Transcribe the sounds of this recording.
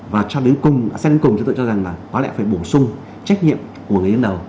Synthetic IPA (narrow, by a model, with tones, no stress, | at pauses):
vaː˨˩t͡ɕɔ˧ɗɨ˨˦kʊ˧ŋ͡ma˧˨sɛ˧ə˨˦kʊ˨˩ŋ͡mt͡ɕɔ˧t̪o̰˧t͡ɕɔ˧za˨˩ŋlaː˨˩nɔ˨˦lɛ̰˧˥˨faː˧˩jɓo˧˩sʊ˧ŋ͡m | t͡ɕa˦˥k̟̚ɲḭ˧˨ə˨m | ku˧˩əŋ˨˩əɗə˨˦nɗə˨˩w